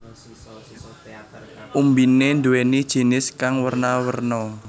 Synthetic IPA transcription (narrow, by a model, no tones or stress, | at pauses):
ʔumbinend̪uwenid̥ʒ̥i̤nɪskaŋwərnawərnɔ